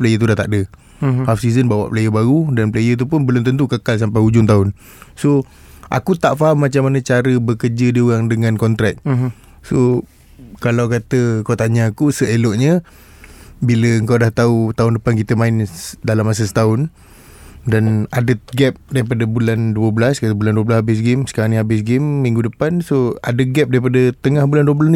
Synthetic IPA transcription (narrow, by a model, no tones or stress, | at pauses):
plajət̪̬udaht̪a̰ʔdə | hafsizənbawa̰ʔpəlajəbaɾudanplajət̪̬upʊnbəlʊmt̪ənt̪̬ukəkals̬ampajud͡ʒʊŋt̪aʊn | so | ʔa̰kut̪aʔfaɦamːat͡ʃamːanə̃t͡ʃaɾəbəkərd͡ʒədiuɣaŋdəŋãnkɔnt̪ɾɛk̪̚ | so | kalawkat̪əəkawt̪aɲaːkusəelɔʔɲə̃ | biləəŋkawdaht̪aut̪aʊndəpankit̪əmaɪnsdalamːas̬əsə̥t̪aʊn | danadəɡɛp̚daɾipadəbulanduəbəlaskat̪əbulanduəblashabɪs̬ɡɪmsə̥kaɾaŋniɦabɪs̬ɡɪmːiŋɡudəpansoa̰dəɡɛp̚daɾipadət̪əŋahbulanduwəbəla